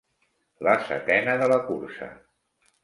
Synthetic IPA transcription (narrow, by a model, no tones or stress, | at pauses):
ləsə̰t̪ɛnəðələkuɾsə̰